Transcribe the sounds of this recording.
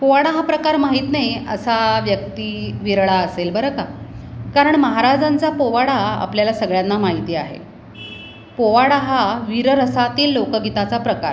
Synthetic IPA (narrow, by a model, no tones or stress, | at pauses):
poʋaɽaɦapɾəkaɾmaɦiːt̪najə̰saʋjək̚t̪iːʋiɾɭaəselbəɾəkakaɾəɳməɦaɾad͡zant͡sapoʋaɽaa̰pljalasəɡɭjanːamaɦit̪iːaɦḛ | poʋaɽaɦaʋiɾəɾəsat̪iːlːokəɡit̪at͡sapɾəka̰ɾ